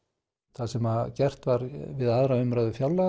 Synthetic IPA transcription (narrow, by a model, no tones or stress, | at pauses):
θasɛmacɛr̥t̪vaɾvɪðaðɾaʏmɾaðʏfjawlːa